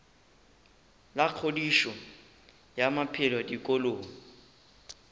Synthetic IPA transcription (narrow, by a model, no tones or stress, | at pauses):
laq͡χʰodiʃɔ | jamapʰɪlwɔdikʼoloːŋ̩